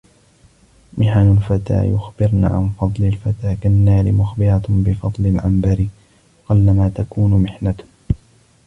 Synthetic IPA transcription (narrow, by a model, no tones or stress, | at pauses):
mʔɪħanʊlfat̪a̰ːjʊxbɪɾna̰ːʕa̰nfɑd̪ˤlɪlfat̪aːkanːaːɾɪmʊxbɪɾabɪfɑd̪ˤlɪlʕambaɾɪ | qʊlːamaːt̪akuːnʊmɪħnat̪